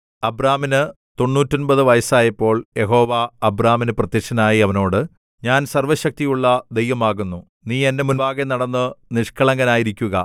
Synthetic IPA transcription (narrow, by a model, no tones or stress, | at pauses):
ɐbɾaːminɨ | t̪o̞nːuːtːonbɐðɨʋɐjɐsaːjɐpːo̞ːɭje̞ɦo̞ːʋaɐbraːminɨprɐt̪jɐkʂɐnaːjiɐʋɐno̞ːɽɨ | ɲaːnsɐrʋɐɕɐk̚t̪ijuɭːɐd̪e̞jʋɐmaːɣunːu | niːe̞nːemunbaːɣenɐɽɐnːɨniʂkʰɐɭɐŋɡɐnaːjiɾikʲːuɣɐ